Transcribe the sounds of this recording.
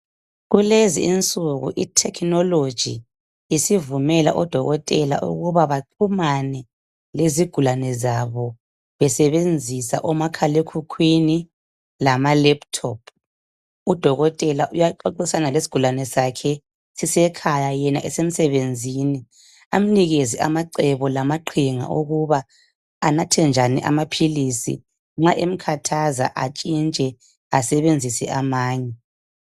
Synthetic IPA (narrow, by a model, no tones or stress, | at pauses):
ɣuleziint͡sʼuɣṵʔitʰɛkʰnɔlod̥ʒ̥ʱḭ | isivumɛla̰ʔɔd̥ʱɔɣɔtʼɛla̰ʔṵɣuβaβaǃʰumanɛ | leziɡ̥ʱulanɛzaβɔ | βɛsɛβend͡zʱisa̰ʔɔmakʰalekʰukʰwini | lamalɛptʰɔpʰ | ud̥ʱɔɣɔtʼɛlaʔujaǃɔǃɔsanalesi̥ɡ̥ʱulanɛsakʰɛ | sisɛkʰajajɛnaʔɛsem̩sɛβend͡zʱiːni | am̩niɣeziʔa̰maǃɛβɔlamaǃʰiŋa̰ʔoɣuβaː | natʰɛnd͡ʒʱanḭʔa̰mapʰilisḭ | ŋ͡ǁaʔem̩kʰatʰaza̰ʔat͡ʃʼint͡ʃʼɛ | asɛβend͡zʱisɛʔamaːɲɛ